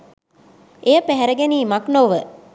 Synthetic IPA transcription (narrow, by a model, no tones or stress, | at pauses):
ʔejəpæɦɛɾəɡeniːmaknoʋə